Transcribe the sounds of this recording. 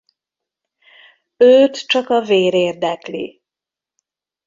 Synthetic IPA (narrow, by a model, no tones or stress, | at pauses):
øːt̪t͡ʃɒkɒveːɾeːrd̪ɛklḭ